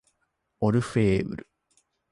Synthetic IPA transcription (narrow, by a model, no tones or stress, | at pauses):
oɾɯ̟ɸeːbɯ̰ɾɯ̰